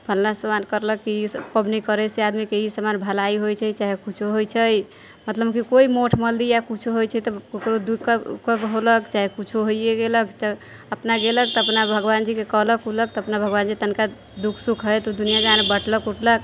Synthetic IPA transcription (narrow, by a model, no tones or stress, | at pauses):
pʰəlnasəmankəɾləkːiispəbnikəɾəsead̪mikeisəmanbʱəlaiɦojt͡ʃʰət͡ʃaɦekut͡ʃʰuɦojt͡ʃʰəj | mət̪ləbkikoimoʈʰməld̪ijakut͡ʃʰuɦojt͡ʃʰɛt̪ɔokɾod̪ukkəɡɦoləkt͡ʃaɦekut͡ʃʰuɦojeɡeləkt̪ə | əpnaɡelək̚t̪ɔəpnabʱəɡβand͡ʒikekəɦləkulək̚t̪ɔːpnabʱəɡband͡ʒit̪ənka | d̪ukʰsukʰɦəjt̪od̪unijad͡ʒanbəʈləkuʈlək